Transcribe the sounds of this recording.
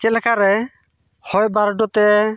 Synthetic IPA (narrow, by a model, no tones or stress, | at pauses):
t͡ʃɛlɛkʰaɾɛ | hɔjbaɾɖɔt̪ɛ